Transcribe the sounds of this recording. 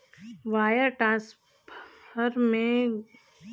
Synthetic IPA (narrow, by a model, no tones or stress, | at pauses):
ʋaːjəɾʈɾãːs | ppəɾmẽ